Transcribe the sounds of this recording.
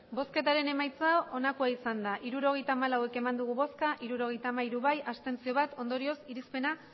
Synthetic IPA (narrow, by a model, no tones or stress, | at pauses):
bo̞ske̞t̪aɾe̞ne̞majt͡sao̞nakuaisand̪aʔiɾuɾo̞ɣ̞e̞jt̪aːmalawe̞ke̞mand̪uɣ̞uβo̞skaʔiɾuɾo̞ɣejt̪aːmaiɾuβajast̪e̞nt͡sio̞β̞at̪o̞nd̪o̞ɾio̞siɾispe̞na